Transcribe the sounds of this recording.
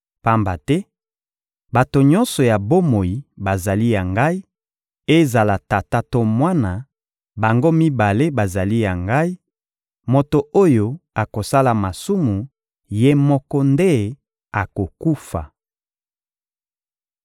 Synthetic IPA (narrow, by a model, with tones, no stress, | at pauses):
pa˦mba˨tɛ˦ | ba˨to˨ɲɔ̃˦nsɔ˨ja˨bo˦mo˨ji˨ba˨za˨li˦ja˨ŋɡa˦i˦ | e˦za˨la˨ta˨ta˦to˦mwa˦na˨ | ba˨ŋɡo˦mi˦ba˨le˦ba˨za˨li˦ja˨ŋɡa˦i˦ | mo˨to˨o˦jo˦a˨ko˨sa˦la˨ma˨su˦mu˨ | je˦mɔ˦kɔ˦nde˦˨ | a˨ko˨ku˦fa̰˨